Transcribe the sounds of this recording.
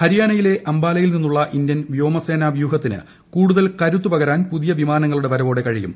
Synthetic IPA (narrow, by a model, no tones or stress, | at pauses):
hɐɾijaːnɐjile̞ʔɐmbaːlɐjilninːuɭːɐʔind̪jɐnʋjo̞ːmɐse̞ːnaːʋjuːɦɐt̪ːinɨ̰ | kuːɽuðɐlkɐɾut̪ːupɐɣɐɾaːnpuðijɐʋimaːnɐŋːɐɭuɽe̞ʋɐɾɐʋo̞ːɽe̞kɐɻijṵm